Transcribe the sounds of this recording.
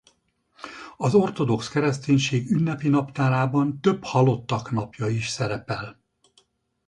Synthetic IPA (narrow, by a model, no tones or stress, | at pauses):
ɒzo̞rt̪o̞d̪o̞kskɛɾɛst̪eːɲʃeːɡynːɛpinɒpt̪aːɾaːbɒnt̪ø̞phɒlo̞t̪ːɒknɒpjɒiʃsɛɾɛpɛl